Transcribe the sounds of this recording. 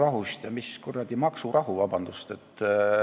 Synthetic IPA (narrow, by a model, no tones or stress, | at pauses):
rɑɦust̪jɑmiskurːɑld̪imɑksurʔɑɦuvɑb̥ɑnd̪̥ust̪e̞t̪ːˑ